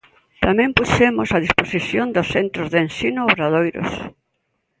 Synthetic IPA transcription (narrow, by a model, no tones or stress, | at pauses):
t̪amẽmpusemosaðisposiθjond̪osθent̪ɾozðensinooβɾaðojɾo̰s